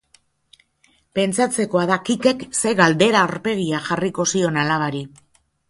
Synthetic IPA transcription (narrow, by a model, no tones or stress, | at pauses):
pe̞nt͡sat͡se̞ko̞aðakike̞kse̞ɣald̪e̞ɾaːɾpe̞ɣ̞iaxariko̞sio̞nalaβ̞aɾi